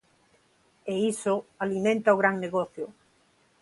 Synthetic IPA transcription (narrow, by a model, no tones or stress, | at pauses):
eisʊalimẽnt̪aoɣɾaŋneɣɔθjʊ